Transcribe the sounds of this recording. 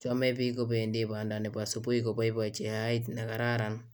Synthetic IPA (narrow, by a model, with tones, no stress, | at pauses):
t͡ʃɔ˦me˦pi˦ko˦pe˨ndi˦pa˨nda˨ne˨pa˨supu˦ikopa˦i˦pat͡ʃe˨haitna˨ka˨ɾa˦ɾan